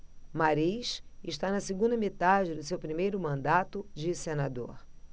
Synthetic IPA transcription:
maɾiʃɪʃt̪anɐsiɡũnd̪ɐmet̪ad͡ʒɪd̪ʊsewpɾimejɾʊmɐ̃nd̪at̪ʊd͡ʒɪsenad̪o̰ɾ

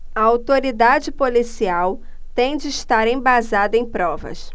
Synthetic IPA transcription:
ɐawt̪oɾid̪ad͡ʒɪpolisiaw | t̪ẽj̃d͡ʒɪːʃt̪aɾẽj̃bazad̪ɐẽj̃pɾɔvɐ̰s

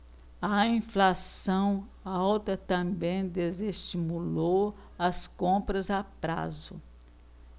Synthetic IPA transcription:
ɐĩflasɐ̃w̃ | awt̪ɐt̪ɐ̃bẽj̃d̪ezest͡ʃimulow | ɐskõpɾɐzapɾa̰zʊ̰

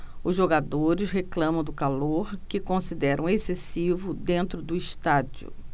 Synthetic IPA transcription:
ʊzʒoɡad̪oɾɪsɦeklɐ̃mɐ̃w̃d̪ʊkaloɾkɪkõsid̪ɛɾɐ̰̃w̃esesivʊd̪ẽnt̪ɾʊd̪ʊiʃt̪ad͡ʒʊ̰

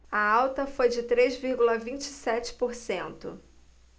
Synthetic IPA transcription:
ɐawt̪ɐfojd͡ʒɪt̪ɾezviɾɡulɐvĩnt͡ʃɪsɛt͡ʃɪ̥poɾsẽnt̪ʊ̰

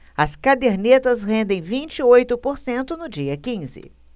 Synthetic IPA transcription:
ɐskad̪eɾnet̪ɐsɦẽnd̪ẽj̃vĩnt͡ʃɪojt̪ʊpoɾsẽnt̪ʊnʊd͡ʒiɐkĩzɪ̰

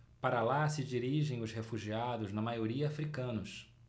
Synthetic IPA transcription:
paɾɐlasɪd͡ʒiɾiʒẽj̃ʊzhefuʒiad̪ʊznɐmajoɾiɐafɾikɐ̃nʊs

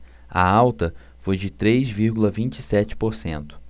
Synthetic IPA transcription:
ɐ̰awt̪ɐ | fojd͡ʒɪt̪ɾejzviɾɡulɐvĩnt͡ʃɪ̥sɛt͡ʃɪ̥poɾsḛ̃nt̪ʊ̥

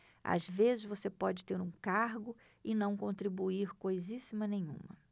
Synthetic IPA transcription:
a̰zvezɪzvosepɔd͡ʒɪt̪eɾũkaɾɡʊ | ɪnɐ̃w̃kõnt̪ɾibuiɾkojzisimɐnẽjɲṵ̃mɐ̰

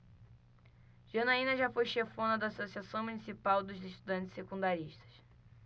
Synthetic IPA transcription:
ʒ̥ɐnaĩnɐʒafojʃefõnɐd̪aːsosiasɐ̃w̃munisipawd̪ʊzzeʃt̪ud̪ɐ̃nt͡ʃ̪ɪ̥sekũnd̪aɾiʃt̪ɐ̥ʃ

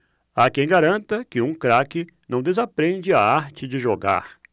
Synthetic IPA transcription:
akẽj̃ɡaɾɐ̃nt̪ɐkɪũkɾakɪ | nɐ̃w̃d̪ezapɾẽnd͡ʒɪaaɾt͡ʃɪd͡ʒɪʒoɡa̰ɾ

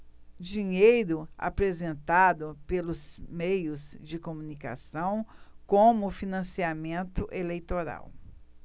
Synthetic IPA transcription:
d͡ʒiɲejɾʊa̰pɾezẽnt̪ad̪ʊpelʊzmejʊzd͡ʒɪkomũnika̰sɐ̃w̃kõmʊfinɐ̃siamẽnt̪ʊʔelejt̪oɾa̰w

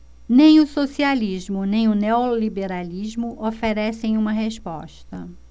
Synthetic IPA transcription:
nẽj̃ʊsosializmʊnẽj̃ʊneolibeɾalizmʊʔofeɾɛsẽj̃ũmɐɦespɔ̰ʃt̪ɐ

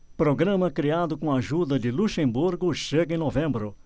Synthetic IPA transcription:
pɾoɡɾɐ̃mɐkɾiad̪ʊkõaʒud̪ɐd̪ɪluʃẽmbuɾɡʊʃeɡɐẽnovẽmbɾʊ

